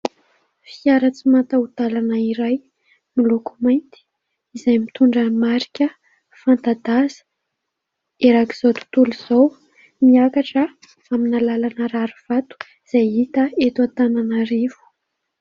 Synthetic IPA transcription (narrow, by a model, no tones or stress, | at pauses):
fiaɾət͡simant̪aut̪alanəiɾaj | milukumajnt̪i̥ | izajmit̪uɳɖ͡ʐəmaɾi̥kʲə | fant̪ad̪azə̥ | eɾaki̥z̥ot̪u̥t̪uluz̥ow | miakaʈ͡ʂə | aminalalanəɾaɾuv̥at̪u̥ | z̥ajit̪əet̪uat̪ananaɾivu̥